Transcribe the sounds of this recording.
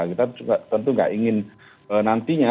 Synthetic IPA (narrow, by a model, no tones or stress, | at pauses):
kit̪auat̪ənt̪uŋɡa̰ʔiŋɪn | ənant̪iɲa